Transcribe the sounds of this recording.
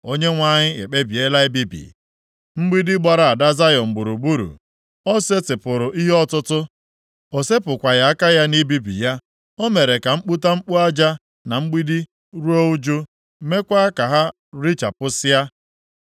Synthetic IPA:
o˦ɲe˦ŋʷa˦ɲɪ˦ḛ˨k͡pe˦bi˨e˦la˦i˦bi˦bḭ˨ | m̩˦ɡ͡bi˦di˦ɡ͡ba˨ɾa˨a˨da˦za˦jɔ˨m̩˨ɡ͡bu˨ɾu˨bu˦ɾṵ˨ | ɔ˦se˦tɪ˨pʊ˨ɾʊ˨ʔi˦ɦɔ˦tʊ˦tʊ˦ | o˨se˦pʊ˨kʷa˨ja˨˦a˦ka˦ja˦ni˦bi˦bḭ˨ja˦ | o˦me˨ɾe˨ka˨ŋ͡m̩˦k͡pu˦ta˦ŋ͡m̩˦k͡pu˦a˦d͡ʒa˦ | na˨ŋ͡m̩˦ɡ͡bi˦di˦ | ɾu˦o˦u˦d͡ʒu˦ | me˦kʷa˦a˦ka˨ɦa˦ | ɾi˦t͡ʃa˨pʊ˦sɪ˦a˦

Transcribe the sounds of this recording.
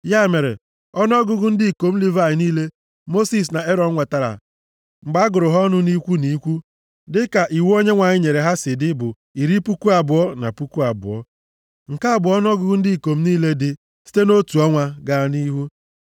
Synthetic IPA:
ja˦˨me˨ɾḛ˨ | ɔ˦n˦ɔ˦ɡʊ˦ɡʊ˦n̩˦di˦i˨ko˨m̩˦li˦va˨ɪ˨niː˦le˦ | mo˦si˨s̬na˨e˦ɾɔ˨ŋ̩˦ŋʷa˨ta˨ɾa̰˨ | ŋ͡m̩˨ɡ͡ba˦ɡʊ˨ɾʊ˨ɦɔ˦nʊ˦ni˦kʷu˦ni˦kʷu˦ | dɪ˦ka˨ʔi˨wo˦ɲe˦ŋʷa˨ɲɪ˦ɲe˨ɾe˨ɦa˦sɪ˨dɪ˦bʊ˨ | i˨ɾi˦pu˦ku˦a˨bʊ˨ɔ˦na̰˨pu˦ku˦a˨bʊ̰˨ɔ̰˦ | ŋ̩˨ka˦a˨bʊ˨ɔ˦n˦ɔ˦ɡʊ˦ɡʊ˦n̩˦di˦i˨ko˨m̩˦niː˦le˦dɪ˦ | si̥˦te˦no˦tu˨ɔ˦ŋʷa˦ɡa˦˨ni˦ɦu˦

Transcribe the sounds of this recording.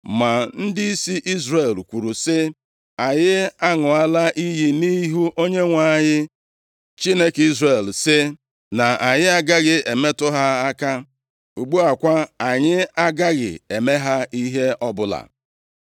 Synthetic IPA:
ma˨n̩˦dɪ˦i˦si˦ʔi˦zre˨lkʷu˨ɾu˨sɪ˦ | a˨ɲɪ˦a˦ŋʊ˨a˦la˦ʔi˦ji˦ni˦ɦu˦ʔo˦ɲe˦ŋʷa˦˨ɲɪ˦ | t͡ʃi˦ne˦ki˦zre˨lsɪ˦ | na˨a˨ɲɪ˦a˦ɡa˦ɣɪ˨e˨me˦tʊ˦ɦa˦a˦ka˦ | u˨ɡ͡bu˦a˨kʷa˦a˨ɲɪ˦a˦ɡa˦ɣɪ̰˨e˨me˦ɦa˦i˦ɦe˦ʔɔ˦bʊ˦la̰˨

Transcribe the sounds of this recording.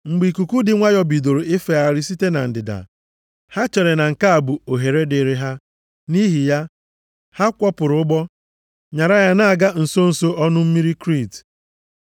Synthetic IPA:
ŋ͡m̩˨ɡ͡bi˨ku˨ku˦dɪ˨ŋʷa˦jɔ˦bi˨do˨ɾo˨ɪ˦fe˨a˨ɾi˦si˦te˦na˨n̩˨dɪ˨da̰˨ | ha˦t͡ʃe˨ɾe˨na˨ŋ̩˨ka˦a˨bu˨o˨ɦe˨ɾe˦dɪ˨ɾɪ˦ɦa˦ | ni˦ɦi˨ja˦ | ha˦kʷɔ˦pʊ˨ɾʊ˨˦ʊ˦ɡ͡bɔ˦ | ɲa˨ɾa˦ja˦na˨a˨ɡa˦n̩˨so˦n̩˨so˦ʔɔ˦nʊ˦m̩˦mi˦ɾi˦kɾi˦˨t

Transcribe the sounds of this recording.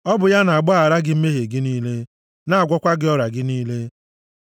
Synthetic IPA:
ɔ˦bʊ˨ja˦na˨a˨ɡ͡bɔ˦a˨ɾa˦ɡɪ˦m̩˦me˦ɦe˨ɡɪ˦niː˦le˦ | na˨a˨ɡʷɔ˦kʷa˦ɡɪ˦ɔ˦ɾa˨ɡɪ˦niː˦le˦

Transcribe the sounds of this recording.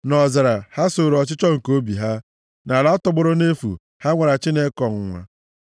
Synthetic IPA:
nɔ˨za˨ɾa˨ha˦so˨ɾɔ˨t͡ʃɪ˦t͡ʃɔ˦ŋ̩˨ko˦bḭ˨ɦa˦ | na˨la˨˦ɔ˦tʊ˨ɡ͡bʊ˦ɾʊ˦ne˦fṵ˨ | ha˦ŋʷa˨ɾa˨t͡ʃi˦ne˦kɔ˨ŋ̩˨ŋʷa̰˦

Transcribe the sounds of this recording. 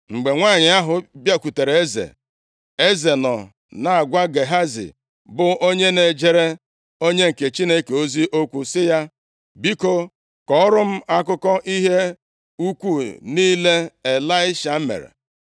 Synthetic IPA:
ŋ͡m̩˨ɡ͡be˨ŋʷaː˦˨ɲɪ˨a˦ɦʊ˨bja˦˨kʷu˨te˨ɾe˨e˦zḛ˨ | e˦ze˨nɔ̰˨ | na˨a˨ɡʷa˦ɡe˨ɦa˦zḭ˨ | bʊ˨o˦ɲe˦ne˨d͡ʒe˦ɾe˦ | o˦ɲe˦ŋ̩˨ke˨t͡ʃi˦ne˦ke˨o˦zi˦ʔo˦kʷu˨sɪ˦ja˦ | bi˦ko˦ | kɔ˦ɔ˦ɾʊ˦m̩˦a˦k̬ʊ˦kɔ˦ʔi˦ɦe˦ | u˦kʷu˦˨niː˦le˦e˨la˦ɪ˦ʃa˨m̩˦mḛ˨ɾḛ˨

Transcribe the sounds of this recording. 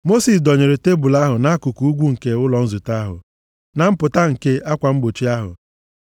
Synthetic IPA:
mo˦si˨s̬dɔ˨ɲe˨ɾe˨te˦bu˨la˦ɦʊ˨na˨a˦ku˨ku˨˦u˦ɡʷu˦ŋ̩˨ke˦ʊ˦lɔ˨n̩˦zʊ˨ta˦ɦʊ̰˨ | na˨m̩˦pʊ˨ta˦ŋ̩˨ke˦a˦kʷa˨m̩˦ɡ͡bo˨t͡ʃi˦a˦ɦʊ̰˨

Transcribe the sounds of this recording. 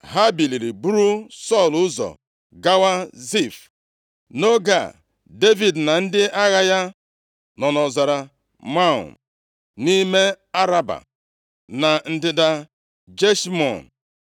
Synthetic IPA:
ɦa˦bi˨li˨ɾi˨bu˦ɾu˦sɔ˦˨lʊ˦zɔ̰˨ | ɡa˦wa˦zi˦˨f | no˦ɡa̰˨ | de˦vi˨dna˨n̩˦dɪ˦ʔa˦ɣa˦ja˦ | nɔ˨nɔ˨za˨ɾa˨ | ma̰˦˨ | ni˦me˦ | a˦ɾa˦ba̰˨ | na˨n̩˨dɪ˨da˨ | d͡ʒe˦ʃmɔ̰˨n˨

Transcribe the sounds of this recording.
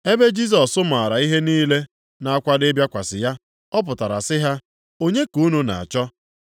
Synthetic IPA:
e˦be˦d͡ʒi˦s̬ɔ˨sːʊ˦ma˨a˨ɾa˨i˦ɦe˦niː˦le˦ | na˨a˦kʷa˦de˦bja˦kʷa˨sɪ˨ja˦ | ɔ˦p̬ʊ˨ta˨ɾa̰˨sɪ˦ɦa˦ | o˦ɲe˦ku˨˦nu˦na̰˨a̰˨t͡ʃɔ˦

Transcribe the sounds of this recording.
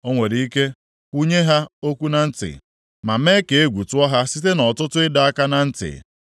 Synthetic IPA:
o˦ŋʷe˨ɾi˨i˦ke˦ | kʷu˦ɲe˦ɦa˦o˦kʷu˦na˨n̩˦tɪ̰˨ | ma˨m̩e˦ke˨e˦ɡʷu˨tʊ˦ɔ˦ɦa˦si˦te˦nɔ˨tʊ˦tʊ˦ɪ˦da˨a˦ka˦na˨n̩˦tɪ̰˨

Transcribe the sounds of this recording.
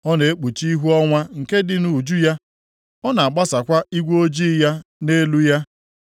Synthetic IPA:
ɔ˦ne˨e˦k͡pu˨t͡ʃi˦i˦ɦu˦ɔ˦ŋʷa˦ŋ̩˨ke˦dɪ˨nu˨d͡ʒu˦ja˦ | ɔ˦na˨a˨ɡ͡ba˦sa˨kʷa˦i˦ɡʷo˦d͡ʒi˦ja˦ne˦lu˦ja˦

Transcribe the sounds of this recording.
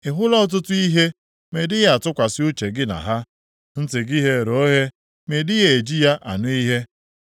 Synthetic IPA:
ɪ˨ɦʊ˦lɔ˦t̬ʊ˦tʊ˦i˦ɦe˦ | me˨dɪ˦ɣa˨tʊ˦kʷa˨sɪ˦ʊ˦t͡ʃe˨ɡɪ˦na̰˨ɦa˦ | n̩˦tɪ˨ɡi˦ɦe˦˨ɾo˨˦ɦe˦ | me˨dɪ˦ɣe˨e˨d͡ʒi˦ja˦ʔa̰˨nʊ˦i˦ɦe˦

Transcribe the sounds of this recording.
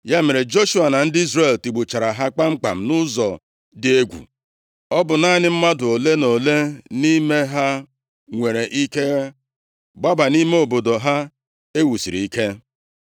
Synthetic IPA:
ja˦me˨ɾe˨d͡ʒo˦ʃu˦a˨na˨n̩˦dɪ˦i˦zre˦˨lti˨ɡ͡bu˨t͡ʃa˨ɾa˨ɦa˦k͡pa˦ŋ͡m̩˦k͡pa̰˨m̩˨nʊ˦zɔ˨ | dɪ˨e˦ɡʷṵ˨ | ɔ˦bʊ˨na˦nɪ˦m̩˦ma˦dʊ˨o˨le˦no˨le˦ni˦me˦ɦa˦ | ŋʷe˨ɾe˨ʔi˦ke˦ | ɡ͡ba˦ba˨ni˦me˦o˨bo˨do˨ɦa˦ | e˦wu˨sḭ˨ɾi˨i˦ke˦

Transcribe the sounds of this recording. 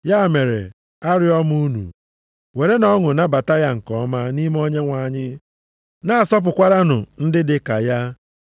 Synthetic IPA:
ja˦˨me˨ɾḛ˨ | a˦ɾɪ˦ɔ˦m˦u˦nṵ˨ | we˨ɾe˦nɔ˦ŋʊ˨na˦ba˨ta˦ja˦ŋ̩˨kɔ˦ma˦ni˦m˦o˦ɲe˦ŋʷa˨ɲɪ˦ | na˨a˨sɔ˦p̬ʊ˨kʷa˦ɾa˦nʊ̰˨n̩˦dɪ˦dɪ˨ka̰˨ja˦

